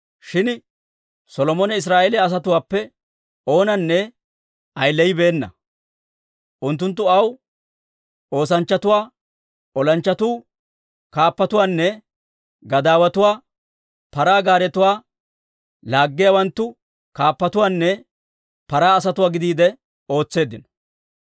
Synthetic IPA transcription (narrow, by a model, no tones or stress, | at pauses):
ʃɪn | sɔlɔmɔnɛɪs̬ɾaːʔelɛɐs̬ɐt̪ʊwaːpːɛ | ʔo̞ːnɐnːɛ | ɐjlːɛjɪbe̞ːnːɐ̰ | ʔʊnt̪̬ːʊnt̪ːʊɐw | o̞ːs̬ɐnt͡ʃːɐt̪ʊwaː | ɔlɐnt͡ʃːɐt̪uː | kaːpːɐt̪ʊwaːnːɛ | ɡɐd̪aːwɐt̪ʊwaː | pɐɾaːɡaːɾɛt̪ʊwaː | laːɡːɪjɐwɐnt̪ːʊ | kaːpːɐt̪ʊwaːnːɛ | pɐɾaːs̬ɐt̪ʊwaːɡɪd̪iːd̪ɛ | o̞ːt͡sːe̞ːd̪ːɪnɔ̥